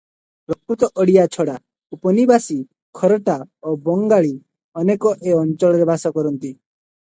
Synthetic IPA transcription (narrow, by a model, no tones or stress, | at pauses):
pɾɔkɾut̪ɔʔɔɽijat͡ʃʰɔɽa | upɔnibasi | kʰɔɾɔʈaobɔŋɡaɭi | ɔnekɔʔeɔnt͡ʃɔɭɔɾebasɔkɔɾɔnt̪i